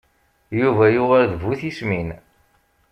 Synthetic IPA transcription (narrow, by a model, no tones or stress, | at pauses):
juvæjʊʁaɾðvuθismin